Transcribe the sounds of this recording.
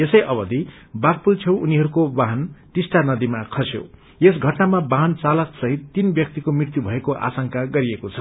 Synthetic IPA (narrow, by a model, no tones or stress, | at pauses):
esʌjʔʌbʌd̪ʱi | bak̚pult͡sʰʌw̃uniɦʌɾukobaɦnʈ̪isʈanʌd̪imakʰʌsjo̰ | es̬ɡʱʌʈnamabaɦnt͡salʌksʌɦit̪ːinbjʌk̚t̪ikomirt̪jubʱʌekoʔa̰sʌŋkaɡʌɾiekot͡sʰʌ